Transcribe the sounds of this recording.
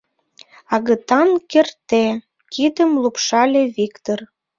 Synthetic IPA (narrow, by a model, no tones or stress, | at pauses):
ɑɣət̪ɑnkert̪e | kʰid̪əmlupʃɑlʲeβikt̪or